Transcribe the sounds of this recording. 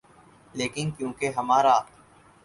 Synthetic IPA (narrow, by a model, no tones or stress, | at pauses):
leːkɪnkjũːkeɦɐmaːɾaː